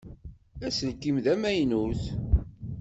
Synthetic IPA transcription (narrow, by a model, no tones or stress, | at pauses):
æsəlkimðæmæjnuθ